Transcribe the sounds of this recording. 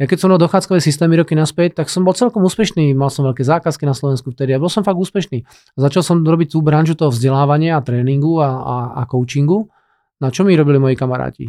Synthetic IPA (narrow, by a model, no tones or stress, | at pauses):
jakɛcsɔmalˠd̪ɔxaːt͡skɔʋɛːsist̪ɛːmiɾɔkinaspɛc̚t̪ːaksɔmbɔlt͡sɛlkɔmuːspɛʃniːmalsɔmʋɛʎkɛːzaːkaskinaslɔʋɛnskuft̪ɛd̪iabɔlsɔmfaɡuːspɛʃniː | azat͡ʃalsɔmɾɔbic̚t̪ubɾanʒut̪ɔɦɔvzɟɛlaːʋaɲɪaat̪ɾɛːniŋɡuaaa̰kɔʊt͡ʃiŋɡu | nat͡ʃɔmiɾɔbilimɔjikamaɾa̰ːcḭ